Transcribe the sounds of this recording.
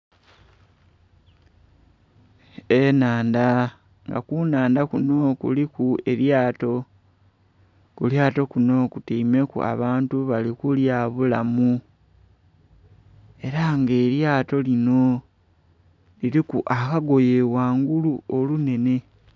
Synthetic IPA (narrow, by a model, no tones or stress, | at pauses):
enaːnda | ŋɡa̰kunaːndakuno̞kṵlikue̞ɾjaːto̞ | kuljaːto̞kuno̞kutiime̞kṵʔa̰βaːntuβalikuljaβulamu | e̞ɾaŋɡe̞ːɾjaːto̞lino̞ | liɾikuʔakaɡo̞jewaːŋɡuluolune̞ne̞